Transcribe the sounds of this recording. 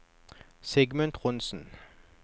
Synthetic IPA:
sɛɡmənt̪ʁʊnsn̩

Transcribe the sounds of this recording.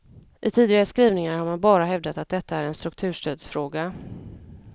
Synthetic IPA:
ʔɪt̪ʰiːd̪ɪɡaɾəskɾiːvnɪŋaɾhaɾmanbɑːɾaɦɛvd̪at̪at̪̚d̪ɛt̪ʰːaæɾɛnst̪ɾɵkt̪ʰʉ̟ːʂʈøːd̪sfɾoːɡa

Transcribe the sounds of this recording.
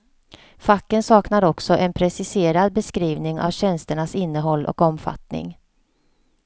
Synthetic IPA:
fakːənsɑːknaɾɔksɔʔɛnpʰɾɛsɪseːɾad̪̚bɛskɾiːvnɪŋa̰vɕɛnst̪əɳasɪnːəɦɔlːʔɔ̰kɔmfa̰t̪nɪ̰ŋ

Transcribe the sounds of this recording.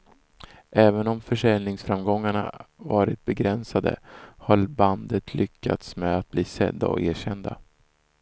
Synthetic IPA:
ʔɛːvənɔmfœʂɛlnɪŋsfɾamɡɔŋːaɳa̰vɑːɾɪt̪̚bɛɡɾɛnsad̪ə̰haɾband̪ət̪ʰlʔʏkːa̰t̪smɛat̪̚bliːsɛ̰d̪ːa̰ɔ̰eːɕɛnd̪a̰

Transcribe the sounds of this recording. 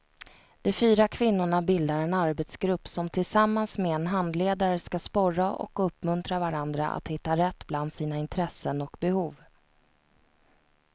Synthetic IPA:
d̪̥ɔfyːɾakʰvɪn̪ːʊɳabɪld̪aɾɛnaɾbɛt̪sɡɾɵpːsɔmt̪ʰɪlsamːansmeɛnɦand̪leːd̪aɾəskaspɔɾaʔɔ̰kɵpːmɵnt̪ɾavaɾand̪ɾa̰ʔa̰t̪hɪt̪ːaɾɛt̪ːbland̪siːnaɪnt̪ʰɾɛsːənɔkbɛhuːv

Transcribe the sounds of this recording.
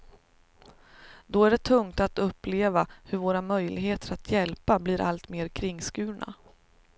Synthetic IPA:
d̪ɔæɖɛt̪ʰɵŋt̪at̪ɵpːleːvahɵɾvoːɾamœjlʔɪɡɦeːt̪ʰəɾat̪ʰjɛlpabliːɾʔalt̪meːɾkʰɾɪŋːskʉ̟ːɳa̰

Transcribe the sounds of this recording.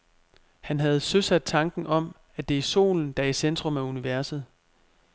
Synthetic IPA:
hænɦæð̞̩ˠsøsæd̥̚t͡sʰɑ̈ŋɡ̥n̩ʔɒ̽m̰ | æd̥e̝iso̝̰ːln̩d̥ɑ̈isend̥ʁɔ̽mæuniʋæɐsð̞̩ˠ

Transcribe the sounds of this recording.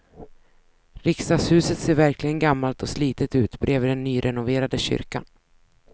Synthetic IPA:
ɾɪkst̪ɑshʉ̟ːsət̪seːɾvæɾklɪɡənɡamːalt̪ʰɔsliːt̪ət̪ʉ̟ːt̪bɾʔeːvd̪ɛnːyːɾʔɛnʊveːɾad̪əɕʏ̰ɾka̰n

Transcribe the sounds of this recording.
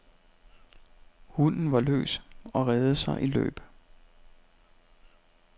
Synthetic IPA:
hunn̩ʋɑ̈lø̰ːsɒ̽ʁɛːð̩ˠəsɑ̈ɪʔilø̰ːb̥

